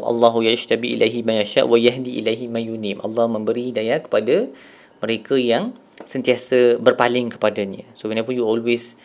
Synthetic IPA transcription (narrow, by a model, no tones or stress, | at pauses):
ʔɑ̰lˤːɑɦujaʃt̪abiʔḭlʔajɦimãjaʃa̰ʔwajaɦd̪iʔḭlajɦimãjunimʔɑ̰lːɑhmə̃mbəɾidajakə̥pada | mə̃ɾekəjaŋ | sənt̪iasəbərpalɪŋkə̥padaɲə̰̃sowinap̬unjuɔlwes